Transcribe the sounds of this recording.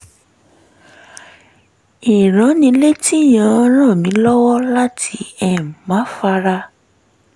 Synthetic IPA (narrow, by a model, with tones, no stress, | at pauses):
i˨ɾ̃ã˨˦nĩ˧le˦ti˦˨j̃ã˨˦˧ɾ̃ã˦˨mĩ˨˦lɔ˦wɔ˦la˦tʰi˧ɛ˨mã˨˦fa˧ɾa˧